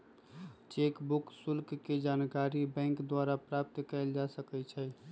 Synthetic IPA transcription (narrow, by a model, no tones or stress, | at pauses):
t͡ʃekbuksʊlkked͡ʒankaɾibɛ̃ŋkd̪waɾapɾap̚t̪kɛɪld͡ʒasəkɛt͡ʃʰɛ